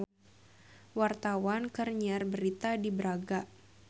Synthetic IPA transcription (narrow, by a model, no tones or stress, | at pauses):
wart̪awankərɲarbəɾit̪adibəɾaɡa